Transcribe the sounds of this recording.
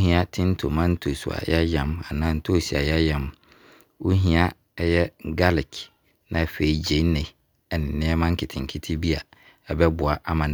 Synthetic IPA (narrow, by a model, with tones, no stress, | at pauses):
hĩ˦a˦tʰɪ̃˦n̩˦tʰo˨mã˦n̩˦tʰo˨su˨a̰˨jɛ˦jã˨ma̰˨nã˦n̩˦tʰo˦˨si˨a̰˨jɛ˦jɛ̃˨m | wu˦ɦĩ˦a˦ | jɛ˦ɡa˦lɛ˨kʰ | nã˨fe˨i˨d͡ʑe˨˦nɛ̃˨ | ɛ˨nɪ̃˨nɪ̃˦ɛ˦mã˦ŋ̩˦kʰɪ˨tʰɪ̃˨ŋ˨kʰɪ˦tʰi˦bi˦a˨ | ɛ˦bɛ˦bʊ˨a˨ʔa˦mã˨